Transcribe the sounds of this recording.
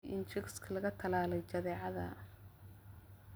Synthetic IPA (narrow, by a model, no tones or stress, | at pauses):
ʔɪnt͡ʃɪkskʰɐlɐɣɐt̪ʰɐlaːlɛjt͡ʃɐðɛːʕɑðɐ̰